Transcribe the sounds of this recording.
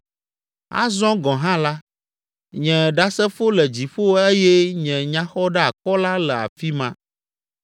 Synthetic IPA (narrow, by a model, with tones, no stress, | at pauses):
a̰˦zɔ̃˦ɡɔ̃˨ɦã˦la˦ | ɲɛ̃˨ɖa˦sɛ˦fo˦lɛ˨d͡ʑi˨ɸo˦e˦jɛ˦ɲɛ̃˨ɲã˦xɔ˦ɖa˦a˨kɔ˦la˦lɛ˨a̰˨fi˦mã˦